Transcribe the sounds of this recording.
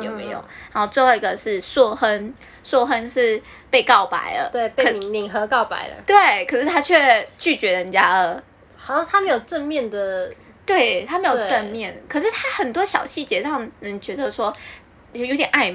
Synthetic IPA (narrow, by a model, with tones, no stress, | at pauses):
jo˨˩mḛ˧˥ɪjo̰˨˩ʊna˧˥nxo˥˧ʊt͡swwɑ˥˩i˧˥ɡə˧˩ʂɻ̩˥˩swɔ˥˩xə˥n | swɔ˥˧xə˥nʂɻ̩˥˧˩ | pe˥˧ɪkɑ˥˩ʊpa̰˨˩ɪd̪ə̰˦t̪we˥˩ɪpe˥˧˩i˧˦ŋmi˧˨˥ŋxɤ˧˥kɑ˥˩ʊpa̰˨˩ɪdə̰˩t̪we˥˩ɪkʰɤ˨˩ʂɻ̩˥˩t̪ʰa˥t͡ɕʰɥɛ˥˧t͡ɕy˥˩t͡ɕɥɛ˧˥də˧ə˨˩t͡ɕja˥ə˧˩ | xa˨˩o˥˩tʰa˥me˧˥jo˨˩ʊʈ͡ʂə˥˧nmjɛ˥˩nd̪ə˨˩ | t̪we˥˩ɪt̪ʰa˥me˧˥jo˨˧˩ʊʈ͡ʂə˥˧nmjɛ˥˩nkʰə˨˩ʂ̬ɻ̩˥˩t̪ʰa˥xə˨˩nt̪wɔ˥ɕjɑ˨˩ʊɕi˥˩t͡ɕjɛ˧˥ɻɑ˥˩ŋnə˧˥nt͡ɕɥɛ˧˥d̪ə˧ʂwɔ˥ | o˥˩jo˧˥t̪jɛ˨˩nʔa˥˩ɪ